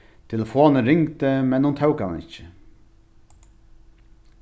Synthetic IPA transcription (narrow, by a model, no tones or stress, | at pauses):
t̪ʰɪlofoːɑnəɾɪŋt̪əmɛnːuːnt̪ʰɑʉkɑɑnɪ̰çə